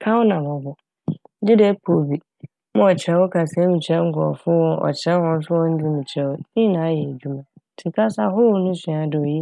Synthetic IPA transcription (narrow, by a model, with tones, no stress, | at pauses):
kʰã˦wɔ˦nã˨mʊ̃˨bʊ˨˦ | dɪ˦dɛ˦pʰo˨bi˨ | mã˦ɔ˨t͡ɕʰɪ˨ɛ˨˦wɔ˦kʰa˨sɛ˦mĩ˨t͡ɕʰɛ˦ŋ̩˦kʰɔ̰˨fʊ˦wɔ̃˦ʔɔ̰˨t͡ɕʰɪ˨ɾɛ˦ɔ̃˨n̩˦s̬ʊ˦wɔ̃˦n̩˦d͡ʑu˦mĩ˨t͡ɕʰɾɛ˦wɔ˦nĩ˦nã˨˦jɛ˨æ˨d͡ʑu˦mã˨tʰɪ˨kʰa˦sa˦ɦʊ˦ɾnʊ̃˦sĩ˨a˨dɪ˨ɔ˨ji˦